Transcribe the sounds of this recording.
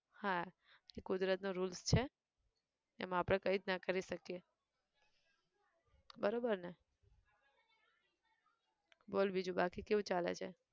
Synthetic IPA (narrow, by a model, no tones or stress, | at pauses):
hã | ekʊd̪ɾət̪noɾulst͡ʃʰe | ɛ̰mãːpɽ̃ekəid̪nakəɾiʃəkije | bəɾobəɾne | bolbid͡ʒũbakikeʋũt͡ʃalḛt͡ʃʰḛ